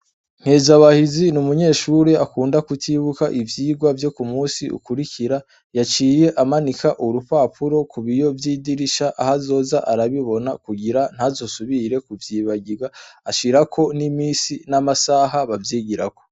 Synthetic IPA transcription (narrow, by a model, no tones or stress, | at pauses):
ŋ̥hezaβahizinumuɲe̞ːʃuːɾeakuːndakutʰiβukaʔivjiːɡwavjo̞kumuːsiṵkuɾikiɾa | jat͡ʃiːje̞ʔamanikʰaʔuɾupaːpʰuɾo̞kʰuβijo̞vjiːdiɾiʃaʔahazo̞ːzaʔaɾaβiβo̞nakuɡiɾan̥hazo̞suβiɾe̞kuvjiːβaɡiɡaaʃiɾakʰo̞nimiːsinamasaɦaβavjiːɡiɾa̰ko̞̥